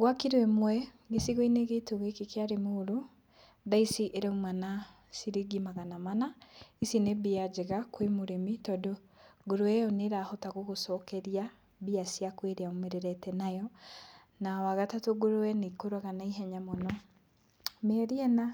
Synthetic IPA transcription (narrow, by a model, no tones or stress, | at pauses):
ɣwakiɾwɛmwɛ | ɣesiɣoineɣetoɣekekeaɾemoɾo | daisiʔeɾeumana | siɾeɡimaɣanamanaisinebiad͡ʒeɣakwemoɾemitɔdo | ɡoɾoɛjɔneɾahɔtaɣoɣosɔkɛɾia | biasiakweɾeaomeɾeɾɛtɛnajɔ | nawaɣatatoɡoɾoɛnekoɾaɣanaiɦɛɲamɔnɔ | mɛɾiɛna